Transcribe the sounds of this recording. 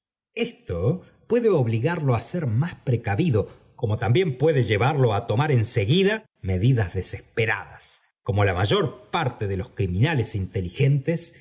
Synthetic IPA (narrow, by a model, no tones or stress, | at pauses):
est̪o̞ | pwe̞ðeo̞βliɣaɾlo̞aseɾmaspɾe̞kaβiðo̞ | ko̞mo̞t̪ambje̞mpwe̞ðeʒe̞βaɾlo̞at̪o̞maɾe̞nse̞ɣiða | me̞ðiðazðe̞se̞spe̞ɾa̰ðas | ko̞mo̞lamaʒo̞ɾpaɾt̪e̞ðe̞lo̞skɾimĩnale̞sint̪e̞lixe̞nt̪es